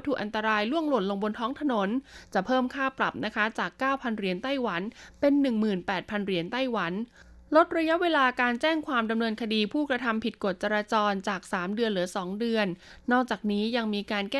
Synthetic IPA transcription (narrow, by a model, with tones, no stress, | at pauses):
t̪ʰuː˨˩kʔa˧nt̪a˧ɾaː˧jlu˥˩əŋlu˨˩t̪̚lo˧ŋbo˧nt̪ʰɔː˦˥ŋt̪ʰa˧no˩˦nt͡ɕa˨˩pʰɤː˥˩mkʰaː˥˩pɾa˨˩p̚na˦˥kʰa˦˥t͡ɕaː˨˩kːaː˥˩wpʰa˧nɾi˩ənt̪a˥˩jwa˩˦npe˧nːɯ˨˩ŋmɯː˨˩npɛː˨˩t̪̚pʰa˧nɾi˧˩ənt̪a˥˩jwa˩˦n | lo˦˥t̪̚ɾa˧ja˦˥weː˧laː˧kaː˧nt͡ɕɛː˥˩ŋkʰwaː˧mda˧mnɤː˧nkʰa˧diː˧pʰuː˥˩kɾa˧t̪ʰa˧mpʰi˨˩t̪̚ko˨˩t̪̚t͡ɕa˧ɾaː˧t͡ɕɔː˧nt͡ɕaː˨˩k̚saː˩˦mdɯ˧ənɾɯ˩˦sɔː˩˦ŋdɯ˧ənː | ɔː˥˩k̚t͡ɕaː˨˩k̚niː˦˥ja˧ŋmiː˧kaː˧nkɛː˥